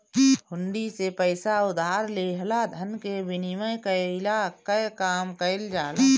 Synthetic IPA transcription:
hʊɳɖisepəɪsaʊd̪ʱaːɾleɦlad̪ʱənkebiniməjkəlakəjkaːmkəɪld͡ʒaːl

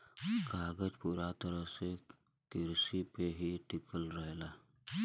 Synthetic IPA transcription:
ɡaːɡəd͡ʒpuːɾat̪əɾəɦse | kɪɾsipeɦiʈɪkəlɾəɦlaː

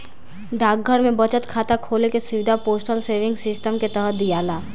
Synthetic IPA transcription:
ɖaːk̚ɡʱəɾmẽbət͡ʃət̪kʰaːt̪akʰoːlekesʊʋɪd̪ʱapoːsʈəlseːʋɪ̃ŋɡsɪsʈəmket̪əɦət̪̚d̪ijaːlaː

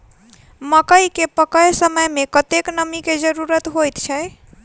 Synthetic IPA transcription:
məkəjkepəkəjsəməjmekət̪eknəmiked͡ʒəɾuɾət̪ɦojt̪t͡ʃʰəj

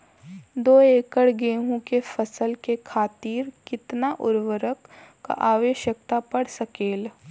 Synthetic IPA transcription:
d̪oːeːkəɽɡeːɦũkefəsəlkekʰaːt̪iːɾkɪt̪naʔʊɾʋəɾəkː | a̰ʔaːʋeːʃjəkt̪apɐɽsəkeːl

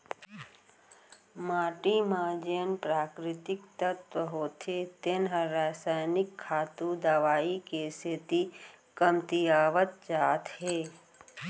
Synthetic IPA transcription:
maːʈimãd͡ʒenpɾaːkɾɪt̪ɪkt̪ət̪ʋəɦoːt̪ʰet̪ɪnɦəɾaːsaːjnɪkʰːaːt̪ud̪aʋaːikeset̪i | kəmt̪ijaːʋət̪̚d͡ʒaːt̪ɦeː

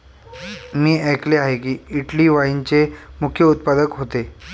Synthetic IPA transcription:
miːəjkleaɦekiːiʈliːʋaint͡ɕemukʰjəut̪̚pad̪əkɦot̪e

